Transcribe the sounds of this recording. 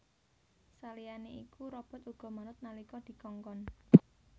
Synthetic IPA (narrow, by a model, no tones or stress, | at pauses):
salijaneʔikuɾɔb̥ɔ̤t̪uɡ̥ɔ̤maɾʊt̪̚nalikɔd̪̥i̤kɔŋkɔn